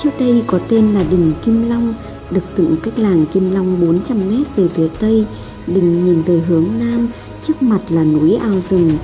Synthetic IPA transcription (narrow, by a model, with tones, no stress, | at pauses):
t͡ɕɨ˦˥k̚t̪ə˧jkɔ˨˦t̪e˧nlaː˨˩ɗï˨˩ŋ̟ki˧mla˧wŋ͡m | ɗɨ˨˩ək̚z̥ʊ̰˧˨ŋka˦˥jk̟̚laː˨˩ŋki˧mla˧wŋ͡mɓo˨˦nt͡ɕa˧mːɛ˦˥t̚ve˨˩fi˨˦ət̪ə˧j | ɗï˨˩ŋ̟ɲi˨˩nzəː˨˩jɦɨ˨˦əŋnaː˧m | t͡ɕɨ˦˥ək̚ma˨˩t̚laː˨˩nu˨˦jʔaː˧wzʊ˨˩ŋ͡m